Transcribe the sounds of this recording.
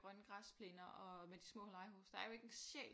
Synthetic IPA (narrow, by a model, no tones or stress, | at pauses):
ʁɶnɡ̥ʁɑspʰle̝nɐʔɒ̽med̥i̥smɔ̰ːlɑ̈ɪɦoːsd̥ɑ̈æɐjo̝eɡ̥əensḛː